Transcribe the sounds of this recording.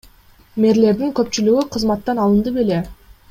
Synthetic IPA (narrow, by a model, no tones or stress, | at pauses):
me̞ɾle̞ɾd̪iŋkɵp̚t͡ʃylyɡyqʰɯzmɑt̪ːɑnɑlˠɯnd̪ɯpe̞le̞